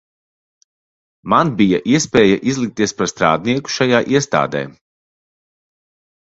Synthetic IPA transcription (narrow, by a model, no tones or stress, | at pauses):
manbijaʔiɛspɛːjaʔizlˠik̚t̪iɛspaɾst̪ɾa̰ːd̪niɛku̥ʃajaːʔiɛst̪a̰ːd̪ɛ̰ː